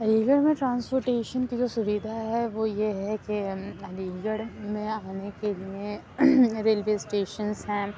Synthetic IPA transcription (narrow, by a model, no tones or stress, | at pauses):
ɾiːɡəɽmẽʈɾãːnspoːɾʈeːʃənkid͡ʒoːsʊʋiːd̪ʱaɦɛʋojeɦɛkeɐɾiːɡəɽmẽaːnekelie | ɾeːlʋeːsʈeːʃənzɦɛ̃ː